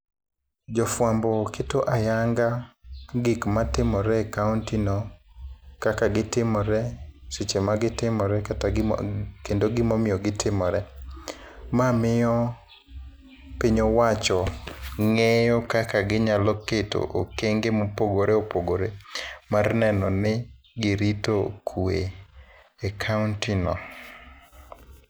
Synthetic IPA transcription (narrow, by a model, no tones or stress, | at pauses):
d͡ʒɔfwambɔkʰetoʔajaŋɡaɡikmatɪmɔɾɛkauntinɔ | kakaɡɪtɪmɔɾɛsit͡ʃemaɡɪtɪmɔɾɛkata | kendoɡɪmɔmɪjɔɡɪtʰɪmɔɾɛ | mamɪjɔ | piɲowat͡ʃɔŋejɔkakaɡɪɲalɔketo̰ʔokeŋɡemopoɡoɾeopoɡoɾemarnɛnɔnɪ | ɡɪɾitokʰue | ekʰaʊntɪnɔ̰